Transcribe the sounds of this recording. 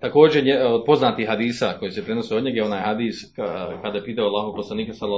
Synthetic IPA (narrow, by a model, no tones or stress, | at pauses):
t̪ako̞ːd͡ʒeɲeod̪̚po̞znaːt̪ihɦad̪iːsako̞jisepɾe̞no̞seoɲe̞ɡjeo̞naːjhad̪iːskad̪ajepiːt̪aoalːˠaːɦoɡ̚po̞slˠaniːkasalːa